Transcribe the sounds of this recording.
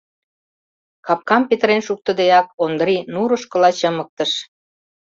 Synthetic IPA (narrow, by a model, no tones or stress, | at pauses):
kɑp̚kɑmpet̪ɾenʃuk̚t̪ə̆d̪eɑk̚ond̪ɾinuɾəʃkə̆lɑt͡ɕəmək̚t̪ə̆ʃ